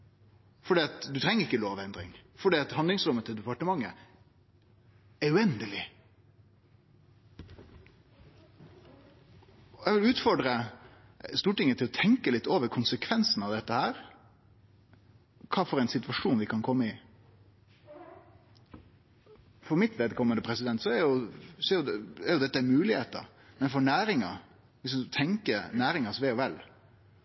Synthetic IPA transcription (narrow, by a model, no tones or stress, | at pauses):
fɔɖiːɑt̪d̪ʉt̪ʰɾɛŋːəɾɪkːəloːʋɛnd̪ɾɪ̰ŋfɔɖiːɑt̪hɑnd̪lɪŋsɾʉmət̪ʰəd̪ɛpɑʈəmɑŋːə̰ | ɛʉɛnd̪əlɪ | ɔjɛʋɪlʉːt̪fɔɖɾə | st̪uːʈɪŋːət̪ʰɪlɔt̪ʰɛŋkəlɪt̪ːoːʋəɾkʰʊnsəkʰʋɛnsn̩ɑʋd̪ɛt̪ːəhæːɾ | kʰɑːfɔɾɛɪnsɪt̪ʋɑʂuːnʋɪkʰɑnkʰɔmːəɪ | fɔɾmɪt̪ʋeːd̪kʰɔmənd̪əpʰɾɛsɪd̪ɛnt̪sɔɛɾjʊsɔɛɾjʊd̪ɛɛɾjʊd̪ɛt̪ːəæmʉːlɪheːt̪ə̰ɾ | mɛnfɔɳæːɾɪŋɑ̰ | ʋɪsʊt̪ʰɛŋkənæːɾɪŋɑsʋeːɔʋɛlː